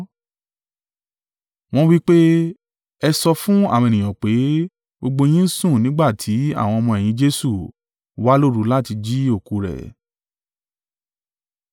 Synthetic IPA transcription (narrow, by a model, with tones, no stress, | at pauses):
w̃ɔ̃˦wi˦k͡pe˦ | ɛ˧sɔ˧fũ˦a̰˦˨w̃e˨nĩ˨j̃ã˨k͡pe˨˦ | ɡ͡bo˧ɡ͡bo˧j̃ĩ˦n̩˦sũ˦˨nĩ˨˦ɡ͡ba˦˨tʰi˨˦a̰˦˨w̃ɔ̃˧ɔ˧mɔ̃˧ɛ˨j̃ĩ˨˦d͡ʒe˧su˦˨ | wa˦lo˦˨ɾu˨˦la˦ti˧d͡ʒi˦o˦˨ku˨˧ɾɛ̰˨